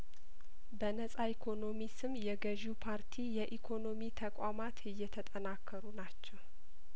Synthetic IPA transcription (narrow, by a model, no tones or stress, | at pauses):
bənəsʼaikʰo̞no̞misɨmjɛɡəʒupʰaɾt̪ʰijɛʔikʰo̞no̞mit̪ʰəkʼwamat̪ɨjːɛt̪ʰət̪ʼənakʰːəɾunat͡ʃːɛw